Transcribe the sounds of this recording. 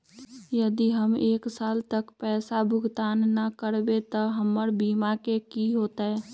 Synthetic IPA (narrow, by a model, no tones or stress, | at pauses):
jəd̪iɦəmeːksaːlt̪əkpɛːsabʱʊɡʱt̪aːnːakəɾbet̪əɦəmːəɾbiːmakekiɦoːt̪aɦɛ